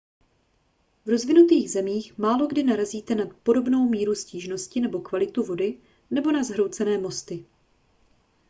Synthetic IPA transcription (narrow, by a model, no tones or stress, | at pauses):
vɾo̞zvɪnut̪iːɣzɛmiːxmaːlo̞ɡdɪnaɾaziːt̪ɛnat̪po̞ɾo̞bno̞wmiːɾusciːʒno̞scɪnɛbo̞kvalɪt̪uvo̞dɪ | nɛbo̞nazɦɾo̞wt͡sɛnɛːmo̞st̪ɪ